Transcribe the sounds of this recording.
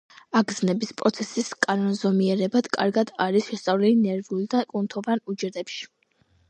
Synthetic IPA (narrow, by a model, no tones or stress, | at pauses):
aɡznɛbispʼɾɔt̪sʰɛsiskʼanɔnzɔmiɛɾɛbad̪̥kʼa̰ɾɡad̪aɾisʃɛst̪sʼavlilinɛɾvulˠd̪akʼunt̪ʰɔvanud͡ʒɛɾd̪ɛpʃi̥